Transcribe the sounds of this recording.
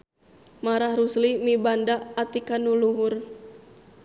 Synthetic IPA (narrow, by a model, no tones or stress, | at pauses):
maɾahɾuslimibandaʔːt̪ikanuluɦʊr